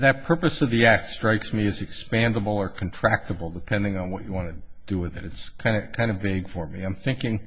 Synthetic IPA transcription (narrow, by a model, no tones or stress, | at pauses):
ðɨt̚pʰɜ˞pɨsʌvðiæk̚tstɹ̥aɪksmiɨzɨkspæ̃ndəbl̩ˠə˞kʰn̩tʰɹ̥æk̚təbl̩ˠdəpʰɛ̃ndɪ̃ŋə̃nwʌt͡ʃɨwɑ̃nɨd̥ɨwɪðɨɾɨtskʰãɪ̃ndɨkʰãɪ̃ndʌveɪɡ̥fə˞miãɪ̃mθɪ̃ŋkɪ̃ŋ